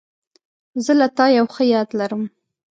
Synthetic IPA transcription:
zəlat̪ɑjawxəjɑd̪laɾəm

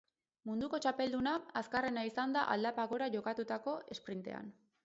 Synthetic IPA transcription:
mund̪uko̞t͡ʃape̞ld̪unaaskare̞naisand̪aʔa̰ld̪apaɣo̞ɾaʝo̞kat̪ut̪ako̞ʔe̞spɾint̪e̞̰a̰n

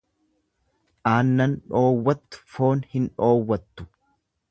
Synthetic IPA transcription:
ʔaːnːɐnᶑo̞ːwːɐt̪ːʊ̥fo̞ːnhɪnᶑo̞ːwːɐt̪ːʊ̥

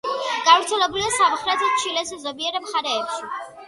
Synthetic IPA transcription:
ɡ̥avɾt̪sʰɛlɛbuliasamχɾɛt̪ʰɛt͡ʃʰilɛsɛzɔbiɛɾɛmχaɾɛːpʃi

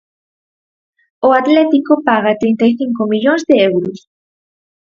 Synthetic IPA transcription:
oat̪let̪ikopaɣat̪ɾejnt̪ajθiŋkomiʎonzd̪eewɾos

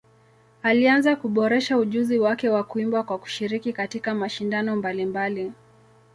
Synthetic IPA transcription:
alianzakuɓɔɾɛʃauʄuziwakɛwakuimbwakwaku̥ʃiɾikikatikamaʃindanɔmbalimbali

